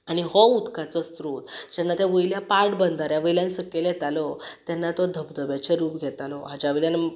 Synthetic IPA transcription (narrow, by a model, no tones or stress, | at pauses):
aɽ̃iɦɔud̪kat͡sɔst̪ɾot̪d͡ʑɛnːat̪ɛʋəjljapaɾʈbənd̪ʱaɾjaʋəjljãnsəkːelɛt̪alɔt̪jɛnːat̪ɔd̪ʱəbd̪ʱəbat͡ɕeɾuːpɡʱɛt̪alɔɦad͡ʑaʋiljan